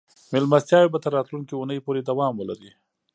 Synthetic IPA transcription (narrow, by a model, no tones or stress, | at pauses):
mɪlmast̪jɑwebat̪əɾːɑt̪luŋkiunəjpoɾed̪awɑmwəlaɾi